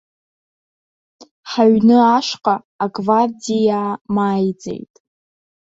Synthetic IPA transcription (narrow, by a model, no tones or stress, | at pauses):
ħaɥnɨaʂqʼaː | ɡʼvardijamaːjd͡ze̞̰jtʼ